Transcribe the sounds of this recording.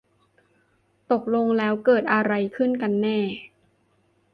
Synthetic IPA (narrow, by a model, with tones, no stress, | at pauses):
t̪o˨˩k̚lo˧ŋlɛː˦˥wkɤː˨˩t̪̚ʔa˧ɾa˧jkʰɯ˥˩nka˧nːɛː˥˩